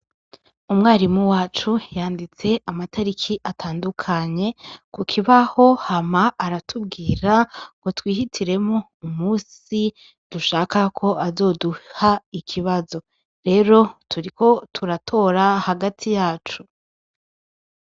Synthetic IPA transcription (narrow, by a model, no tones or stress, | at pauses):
umŋaːɾimuwaːt͡ʃujaːndit͡se̞ʔamatʰaɾikʰiʔatʰaːndukʰaɲe̞kukʰiβaho̞hamaʔaɾatʰub̚ɡiːɾakotwiːhitʰiɾe̞mŋo | umuːs | i | d̥uʃaːkakʰo̞ʔazo̞ːduhaikʰiβazo̞ | ɾe̞ːɾo̞tʰuɾiko̞tʰuɾatʰo̞ːɾahaɡatʰijaːt͡ʃu